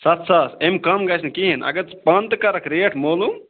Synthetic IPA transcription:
sɐt̪ʰsasemkɐmɡɐsʰnkiɦinʔɐ̰ɡɐɾt͡spɐnt̪kɐɾɐkʰɾeʈʰmoːlu

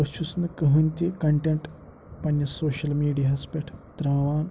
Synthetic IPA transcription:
ɐʃusnɐkɐɦɐnʲt̪ʲikɐɳʈeɳʈ | pɐnjɐsoːʃɐlmiːɖijaːspʲeʈʰt̪ɾaːʋaːn

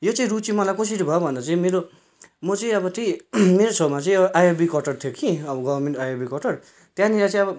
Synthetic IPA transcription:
jot͡sʌ̃ĩɾut͡sĩmʌlajkʌs̬iʈibʱʌjobʱʌnd̪at͡saĩmeɾo | mʌt͡sʌĩʌbʌtʌĩmeɾosʌbmat͡sʌĩʌbʌʔajobikʌʈʌrt̪ʰjokʰiʌbʌɡʌbʌrmeɳʈajobikʌʈʌr | t̪jãniɾat͡sãĩʌbʌ

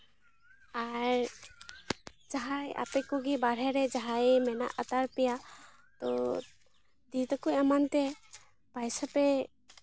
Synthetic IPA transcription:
aɾ | d͡ʒaɦaja̰pɛkɔɡibaɾ̤ɛɾɛd͡ʒaɦaemɛna̰ʔat̪aɾpija | t̪ɔ̰ | d̪it̪akuɛmant̪ɛ | pajsapɛ

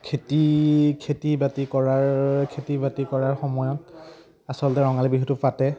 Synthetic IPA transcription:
kʰetikʰetibatikɔɹaɹkʰetibatikɔɹaɹxɔmɔjɔt | asɔlɔtɛɹɔŋalibiɦutʊpatɛ

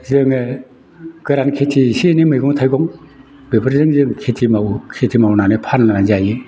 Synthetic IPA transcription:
zɯŋɯ | ɡ̥ɯɾankʰetʰisinimɯjɡɔŋtʰajɡɔŋ | bebɯɾzɯŋzɯŋkʰetʰimawkʰetʰimawnanɯpʰannanazajɯ

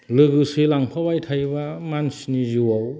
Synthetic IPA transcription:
lɯɡɯsilaŋpʰabajtʰajbamansnizuwaw

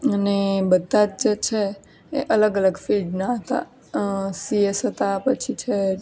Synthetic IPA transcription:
ənebəd̪ʱːad͡ʒd͡ʒet͡ʃʰeː | ʔələɡələɡfilɖnaɦət̪a̰ | siesɦət̪apət͡ʃʰit͡ʃʰe

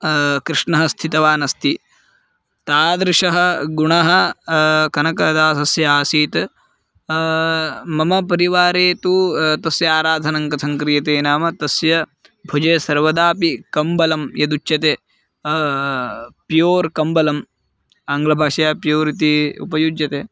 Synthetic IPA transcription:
kɾɪʂɳɐɦɐst̪ʰit̪ɐʋaːnɐst̪ʰi | t̪aːd̪ɾɪʂɐɦɐ̆ɡuɳɐɦɐ̆ | kɐnɐkɐd̪aːsɐsjɐaːsiːt̪ | mɐmɐpɐɾiʋaːɾeːt̪ut̪ɐsjɐaːɾaːd̪ʱɐnɐŋkɐsɐŋkɾijɐt̪eːnaːmɐt̪ɐsjɐ | bʱud͡ʒeːsɐɾʋɐd̪aːpikɐmbɐlɐmjɐd̪ut͡ʃːjɐt̪eː | pjoːɾkɐmbɐlɐm | ɐŋɡlɐbʱaːʂɐjaːpjoːɾit̪iṵpɐjud͡ʒjɐt̪eː

